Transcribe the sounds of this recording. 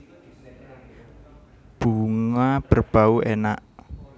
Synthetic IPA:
b̥uŋab̥ərb̥a̤uenaʔ

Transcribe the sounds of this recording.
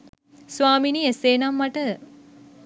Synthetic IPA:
sʋaːminieseːnamːaʈə

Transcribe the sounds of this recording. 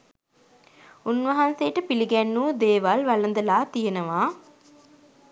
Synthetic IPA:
unʋɐɦanseːʈəpiliɡænːuːd̪eːʋalʋɐlənd̪əlaːt̪ijenəʋaː

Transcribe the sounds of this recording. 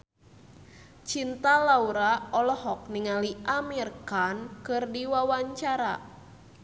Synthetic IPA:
t͡ʃint̪alauɾaɔlɔhɔk̚niŋaliʔamirkankɨrdiwawaɲt͡ʃaɾa̰

